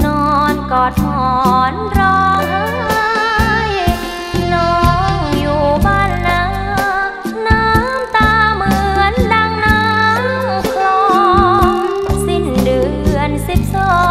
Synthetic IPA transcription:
nɔː˧˩˧nkɔː˨˩t̪̚hɔ˨˩nɾɔː˧˩ŋʔa˧˥a˧j | nɔ˧ŋjuː˨˩baː˧˩nːaː˧˥ | naː˧˥mt̪aː˧mɯ˧ənlaː˧ŋnaː˧˦m˧˩kʰlɔː˧ | si˧˩ndɯ˨˩ | ənsi˧˩p̚sɔ˧˩

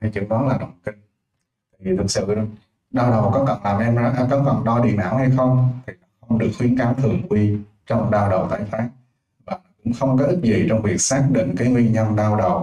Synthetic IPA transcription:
a˨˧˦jt͡ɕɨ̰˧˩˦ɗɔ˨˦laː˨˩ɗə˨˩wŋ͡mki˧ŋ̟ | t̪ | a̰ː˧˨jvi˨˩t̪ʰɨ˨˩sɨ̰˧˨˧ | ɗaː˧wɗə˨˩wkɔ˨˦kə˨˩nlaː˨˩mʔɛ˧m˨˦˥kɔ˨˦kə˨˩nɗɔ˧ɗḭ˧˩˨na̰ː˧˩wha˧jxə˧wŋ͡mt̪ʰi˨˩nɔ˨˦xə˧wŋ͡mɗɨ˨˩ək̚wi˨˦ənka˨˦mt̪ʰɨ˨˩ə˩ŋʔwi˧t͡ɕɔ˧wŋ͡mɗaː˧wɗə˨˩wt̪a̰ː˧˩jfaː˦˥k̚ | vaː˨˩n˨˦kʊ̰˧˥ŋ͡mxə˧wŋ͡mkɔ˨˦t̪i˦˥t̚zi˨˩t͡ɕɔ˧wŋ͡mvi˨˩ək̚saː˦˥k̚ɗḭ̈˧˨ŋ̟kaː˨˦jŋwi˧ɲə˧nɗaː˧wɗə˨˩w

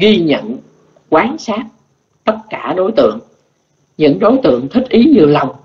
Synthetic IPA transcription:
ɣi˧ɲə̰˧˨n | kwaː˨˦nsaː˦˥t̚ | t̪ə˦˥t̚kaː˧˩ɗo˨˦jt̪ɨ̰˧˨əŋ | ɲɨ̰˧˥ŋɗo˨˦jt̪ɨ̰˧˨əŋt̪ʰï˦˥k̟̚ʔi˨˦ɲɨ˨˧˩əla˨˩wŋ͡m

